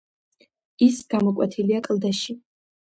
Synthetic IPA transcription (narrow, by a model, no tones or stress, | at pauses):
isɡamɔkʼa̰t̪ʰiliakʼlˠd̪aʃi